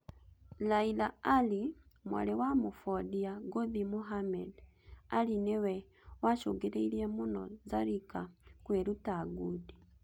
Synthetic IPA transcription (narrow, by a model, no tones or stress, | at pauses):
lailaali | mwa̰lewamufodiaɡoðimuɦamed | alinewe | waʃoɡeɾeiliemuno̰zaɾikakweɾutaɡudi